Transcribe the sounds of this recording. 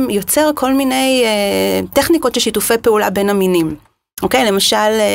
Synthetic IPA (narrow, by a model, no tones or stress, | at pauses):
mjo̞t͡se̞ʁkʰo̞lmine̞jeteχniko̞tʃelʃitufe̞jpeulabe̞naminim | ʔo̞ke̞jle̞maʃal